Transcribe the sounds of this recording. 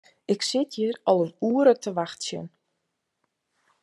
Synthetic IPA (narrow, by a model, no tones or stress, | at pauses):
ɪksɪtʰjəɾɔlˠənuəɾətʰəʋaxtsjə̰n